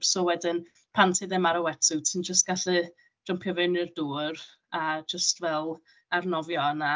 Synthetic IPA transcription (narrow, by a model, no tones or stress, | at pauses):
soːwɛdɪn | pʰantʰɪðɛmaɾəwɛtʰɪwtʰənd͡ʒəst̚ɡ̥aɬɛ | d̥ʊmpʰjɔvɪnirduːr | ad͡ʒəstvɛlˠ | arnɔvjɔəna